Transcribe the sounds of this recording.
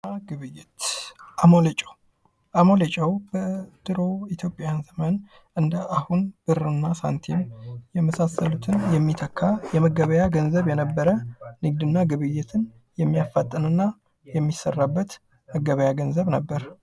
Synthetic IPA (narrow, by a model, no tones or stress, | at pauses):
aɡɨβɨjːɪt̪ʔamolet͡ʃʼəw | ʔamolet͡ʃʼɛwbəd̪̥ɨɾo̞it̪ʰjo̞pʼːjanzəmən | ɨnd̪əʔahunb̥ɨrɨnːasa̰nt̪ʰenjɛməsasːəlut̪ʰɨnjɛmːit̪ʰəkʰːajɛməɡəβəjaɡənzəβjɛnəbːəɾənɨɡ̚d̪ɨnːaɡɨβɨjːɪt̪ʰɨn | jɛmːijafat̪ʼːɨnɨnːa | jɛmːisːərːabːət̪ | məɡəβəjaɡənzəβnəbːəɾ